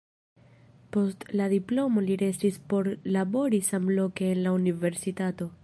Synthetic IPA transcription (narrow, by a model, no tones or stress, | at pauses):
po̞stladiplo̞mo̞liɾe̞stispo̞ɾlabo̞ɾisamlo̞ke̞ːnlaunive̞ɾsitato̞